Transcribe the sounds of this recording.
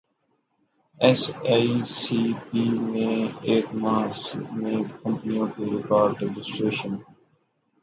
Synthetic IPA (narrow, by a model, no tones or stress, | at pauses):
ɛsaisiːpiːmẽeːʈmaːɾsmẽːɖkə̃mpənijõkeɾɪkɔːɾɖɾɛd͡ʒɪsʈɾeːʃə̃n